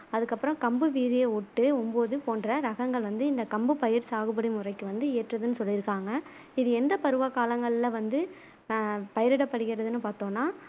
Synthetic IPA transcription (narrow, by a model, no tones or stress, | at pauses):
ɐðɯkːɐpːɯɾɔ̃kɐmbɯʋiːɾɪjeʊʈːɯʊmboːðɯpoːnɖrɐɾɐɣɐŋɡɐɭʋɐnd̪ɯɪnd̪ɐkɐmbɯpɐjɪɾsaːɣɯbɐɽimʊrɐɪkːɯʋɐnd̪ɯeːʈrɐðɯnːɯsɔlːɪɾɯkːaːŋɡɐ | ɪðɯɛnd̪ɐpɐɾɯʋaːkaːlɐŋɡɐɭɪlɐʋɐnd̪ɯ | pɐjɪɾɪɽɐpːɐɽɯɣɪɾɐðɯnːɯpaːɾt̪õːnːaː